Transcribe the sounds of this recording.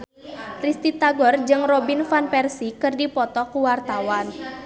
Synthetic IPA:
t̪ɾist̪it̪aɡɔrd͡ʒɨŋrobinfanpɛrsikɨrdipɔt̪ɔkuwart̪awan

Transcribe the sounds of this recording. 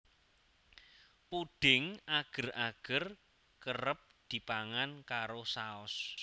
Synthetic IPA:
puɖ̥ɪŋaɡ̥ə̤raɡ̥ə̤r | kərəp̚d̪̥i̤paŋankaɾosaɔs

